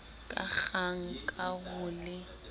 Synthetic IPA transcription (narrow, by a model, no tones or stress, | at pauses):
kʼa̰k͡xaŋ̩kʼaɣʊlɪ